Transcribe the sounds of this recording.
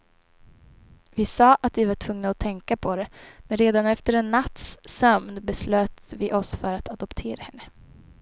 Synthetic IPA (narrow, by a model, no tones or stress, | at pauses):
vɪsɑːʔat̪vɪvaʈʰvɵŋnaɔt̪ʰɛŋkapʰɔɾɛmɛnɾeːd̪anɛft̪əɾɛnːat̪sːœmnbɛsløːt̪vɪʔɔsfœɾat̪ad̪ɔpt̪ʰeːɾahɛnːə